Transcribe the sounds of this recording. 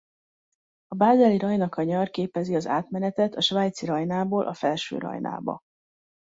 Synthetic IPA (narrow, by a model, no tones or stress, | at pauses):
ɒbaːzɛliɾɒjnɒkʰɒɲɒrkeːpɛziɒzaːt̪mɛnɛt̪ɛt̪ʰɒʃvaːjt̪siɾɒjnaːboːlʔɒfɛlʃø̰ːɾʔɒ̰jna̰ːbɒ̰